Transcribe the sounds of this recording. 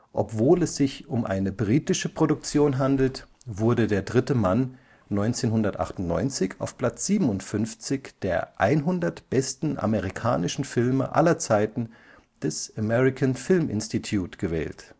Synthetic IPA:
ʔɔ̰pv̥oːlɛsz̥ɪçʊmʔa̰ɪnəbʁiːtɪʃəpʁ̥odʊk̚t͡sjoːnɦandl̩t | vʊɐdədeːɐdʁɪtəmanː | ɔʏnt͡seːnɦʊndɐtʔa̰χtʊntnɔ̰ʏnt͡sɪça̰ʊfpl̥at͡sz̥iːbm̩ʊntfʏnft͡sɪçd̥eːɐʔa̰ɪnɦʊndɐtb̥ɛstn̩ʔa̰məʁikʰa̰ːnɪʃn̩fɪlmə̰ʔa̰lɐt͡saɪtn̩ | d̥ɛsamɛʁɪkʰanfɪlmʔɪ̰nstitʰjuːtɡ̥əvɛ̰ːlt

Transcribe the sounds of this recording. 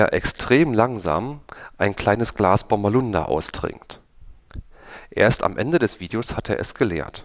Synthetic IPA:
ɐʔɛkstʁ̥eːmlaŋza̰ːmʔaɪnkl̥aɪnəsɡ̥laːsb̥amalʊnda̰ʔa̰ʊsd̥ʁɪ̰ŋkt | ʔḛːɐsta̰mʔɛndədɛsv̥iːdeoshateːɐʔɛ̰sɡ̥əleːɐt

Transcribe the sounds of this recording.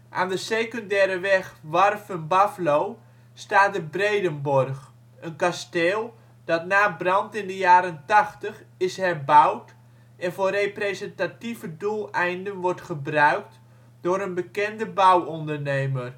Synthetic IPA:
ʔa̰ːndəsejkɔndɛːɾəʋɛxʋarfənbaflow | staːt̚dəbrejdənbɔrχ | ənkasteːlˠ | d̥ɑtnaːbrɑntɪndəjaːɾəntɑχtəχɪshɛrbawt | ɛnvʊːreprezəntativədulˠɛjndənʋɔrtχəbrœɥkt | dʊːɾənbəkɛndəbawɔndərnejmər

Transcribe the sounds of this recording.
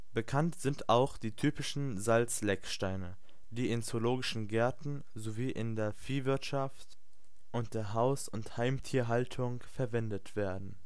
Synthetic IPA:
b̥əkʰantz̥ɪntaʊxd̥iːtʰyːpɪʃn̩zalt͡slɛkʃtaɪnə | d̥iːɪnt͡soloːɡɪʃn̩ɡɛɐtn̩ | zoviːʔɪndeːɐfiːvɪɐtʃaft | ʔʊnt̚d̥eːɐɦaʊsʊnthaɪmtʰiːɐɦaltʰʊŋ | fɛɐvɛndətv̥eːɐdn̩

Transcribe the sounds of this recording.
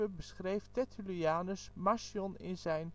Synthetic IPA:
əbəsχrejftɛtyliaːnəsmasjɔnɪnzɛjn

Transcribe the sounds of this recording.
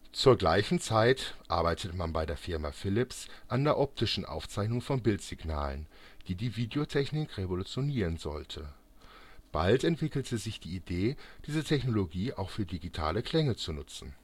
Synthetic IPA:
t͡suːɐɡla̰ɪçn̩t͡saɪtʔa̰ɐbaɪtʰətmanbaɪdeːɐfɪɐmafɪlɪpsʔandeːɐʔɔp̚tʰɪʃn̩ʔa̰ʊft͡saɪçnʊŋfɔnbɪltz̥ɪɡna̰ːlə̰n | d̥iːdiːviːdeotʰɛçnɪkʁevolut͡sjoniːʁənzɔ̰ltʰə | b̥a̰ltɛntv̥ɪkl̩tʰəzɪçd̥iːideːd̥iːzətʰɛçnoloɡiːʔaʊxfyːɐdiɡitʰa̰ːləkʰl̥ɛŋət͡sunʊt͡sn̩

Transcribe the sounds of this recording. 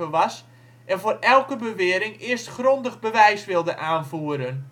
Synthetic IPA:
əʋɑs | ʔɛnvoːrɛlˠkəbəʋɪəɾɪŋɪərstxrondəɣbəʋɛjsʋɪlˠdəʔaːnvuəɾən

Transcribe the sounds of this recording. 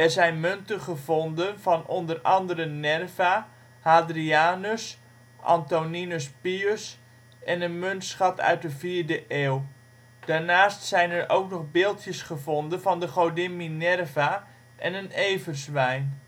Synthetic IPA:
ɛrzɛjnmøntəχəvɔndənvɑnondərɑ̰ndəɾənɛrva | haːdriaːnəs | ʔɑ̰ntoninəspiøs | ɛnənmøntsχɑtœ̰ɥt̚dəviːrdəʔeːlˠ | d̥aːrnaːstsɛjnɛrʔo̰wknɔχbɪːlˠtjəsχəvɔndənvɑndəχowdɪminɛrva | ʔɛnəneːvərsʋɛjn

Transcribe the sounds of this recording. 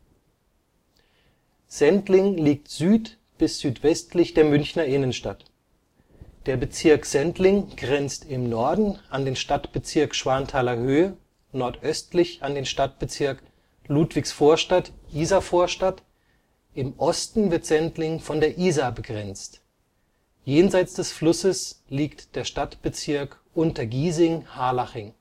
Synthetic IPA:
z̥ɛntlɪŋliːk̚tz̥yːt | b̥ɪsz̥yːtv̥ɛstlɪçd̥eːɐmʏnçnɐʔɪnənʃtat | d̥eːɐbət͡sɪɐkz̥ɛntlɪŋɡ̥ʁɛnt͡stɪmnɔɐdn̩andeːnʃtatb̥ət͡sɪɐkʃv̥aɐntʰaːlɐhøːə | nɔɐtʔœstlɪçandeːnʃtat̚b̥ət͡sɪɐk | luːtv̥ɪçsfoːɐʃtatʔiːzafoːɐʃtat | ʔɪmʔɔstn̩vɪɐtz̥ɛntlɪŋfɔndeːɐʔiːzabəɡʁɛnt͡st | jeːnzaɪt͡sd̥ɛsflʊsəsliːktd̥eːɐʃtatb̥ət͡sɪɐkʔʊntɐɡiːzɪŋhaːlaχɪŋ

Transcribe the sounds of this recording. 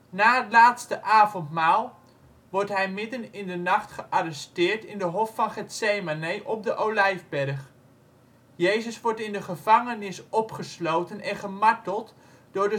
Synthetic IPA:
naːɦətlaːtstəʔaːvɔntmaːlˠ | ʋɔɹtɦɛjmɪdənɪndənɑχtχəʔarɛstɪːɹtɪndəɦɔfːɑnχɛtsejmanejʔɔp̚dəʔowlɛjvbɛrχ | jejzəsʋɔɹtɪndəχəv̥ɑŋənɪsɔpχəslowtənɛnχəmɑtəlˠt | d̥ʊːɹdə

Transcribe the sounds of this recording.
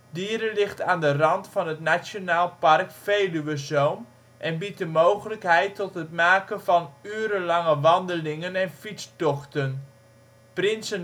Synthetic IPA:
diəɾəlɪχtaːndərɑntfɑnɦətnasjonaːlˠpɑrkfejlyʋəzowm | ʔɛnbit̚dəmowχələkɦɛjtɔtɦətmaːkəvɑnyːəɾəlɑŋəʋɑndəlɪŋənɛnfitt͡stɔχtən | prɪnsən

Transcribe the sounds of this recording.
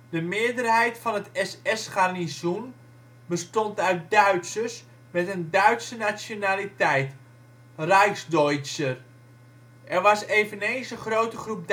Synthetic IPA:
dəmɪəɹdərhɛjtfɑnətɛsɛsχarnisun | bəstontœɥt̚dœɥtsəs | mɛtəndœɥtsənasjonalitɛjt | rajsdɔjsər | ʔɛrʋɑseːvənejnsəχrowtəχrup̚

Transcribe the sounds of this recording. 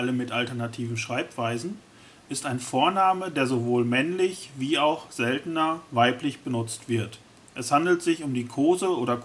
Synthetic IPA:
aləmːɪtaltɛɐnatʰiːvm̩ʃʁ̥aɪpv̥aɪzn̩ | ʔɪstaɪnfoːɐnaːmədeːɐzovoːlmɛnlɪçviːaʊxz̥ɛltn̩ɐvaɪplɪçb̥ənʊt͡stv̥ɪɐt | ʔɛshandl̩tz̥ɪçʊmdiːkʰoːzəʔoːɾɐk

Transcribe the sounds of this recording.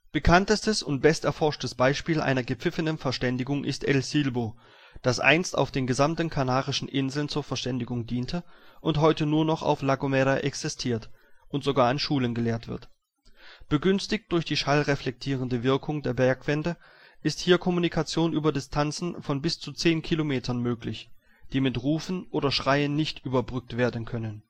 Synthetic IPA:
b̥əkʰantəstəsʊnt̚b̥ɛstɛɐfɔɐʃtəsb̥aɪʃpiːlʔa̰ɪnɐɡəp͡fɪfənənfɛɐʃtɛndɪɡʊŋʔɪ̰stʔɛ̰lsilboː | d̥asʔa̰ɪnsta̰ʊfd̥eːnɡəzamtn̩kʰanaːʁɪʃn̩ʔɪnzl̩nt͡suːɐfɛɐʃtɛndɪɡʊŋdiːntʰəʔʊnthɔʏtənuːɐnɔχa̰ʊflaɡomɛɾaʔɛksɪstʰiːɐtʔʊntz̥oɡaːɐɪnʃuːlənɡəleːɐtv̥ɪ̰ɐt | b̥əɡʏnstɪkt̚d̥ʊɐçd̥iːʃalʁɛflɛk̚tʰiːʁ̞əndəvɪɐkʰʊŋdeːɐbɛɐkv̥ɛndə | ʔɪsthiːɐkʰɔmunikʰat͡sjoːnʔyːbɐdɪstʰant͡sn̩fɔnbɪst͡sut͡seːnkʰilomeːtʰɐnmøːklɪç | d̥iːmɪtʁuːfn̩ʔoːdɐʃʁ̥aɪənːɪçtʔyːbɐbʁʏk̚tv̥eːɐdn̩kʰœnən

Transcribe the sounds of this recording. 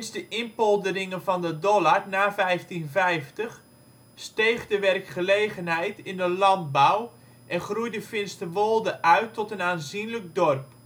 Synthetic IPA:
ɪnsdəʔɪnpɔlˠdərɪŋənvɔndədɔlarnaːfɛjftinvɛjftəχ | stejχdəʋɛrkχəleːɣənɦɛjtɪndəlɑnt̚baw | ʔɛnχrujdəfɪnstəʋolˠdəʔœɥtʰːɔtənaːnzinlək̚dɔrp

